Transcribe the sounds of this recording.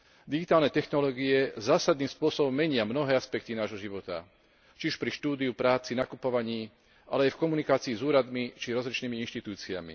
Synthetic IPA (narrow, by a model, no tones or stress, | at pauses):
d̪iɡit̪aːlnɛt̪ɛxnɔlɔːɡiɛzaːsad̪̚niːspʊɔsɔbɔmːɛɲɪamnɔɦɛːaspɛk̚t̪inaːʒɦɔʒiʋɔt̪a̰ | t͡ʃiuʃpɾiʃt̪uːd̪iupɾaːt͡sinakupɔʋaɲiː | ʔa̰lɛajfkɔmunikaːt͡siːzuːɾad̪mit͡ʃiɾɔzlit͡ʃniːmiinʃt̪it̪uːt͡sia̰mḭ